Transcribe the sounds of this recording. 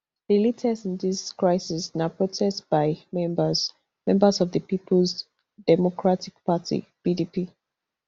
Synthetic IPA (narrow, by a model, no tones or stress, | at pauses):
ð̥ilitʰɛsɪ̃nðiskɹaɪsisnapɹotʰɛstb̥aɪmɛ̃mbəz̥ | mɛ̃mbəsɔvðəpipʰəlz | dɛmɔkʰɹatik̚patʰḭb̥idipi